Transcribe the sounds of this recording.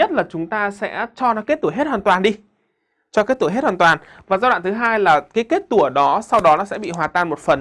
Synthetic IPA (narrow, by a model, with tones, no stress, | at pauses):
ɲə˦˥t̚laː˨˩t͡ɕʊ˨˦ŋ͡mt̪aː˧sɛ̰˧˥t͡ɕɔ˧nɔ˨˦ke˦˥t̚t̪u˧˩˨jɦe˦˥t̚hwaː˨˩nt̪waː˨˩nɗi˧ | t͡ɕɔ˧ke˦˥t̪u˧˩˨ɦe˦˥t̚hwaː˨˩t̪waː˨˩n | vaː˨˩zaː˧wa̰ː˧˨t̪ʰɨ˨˦ɦaː˧jlaː˨˩kaː˨˦jke˦˥t̚t̪u˧˩əɗɔ˨˦sa˧wɗɔ˨˦nɔ˨˦sɛ̰˧˥ɓḭ˧˨ɦwaː˨˩t̪aː˧˩nmo˨˩t̚fə˨˩n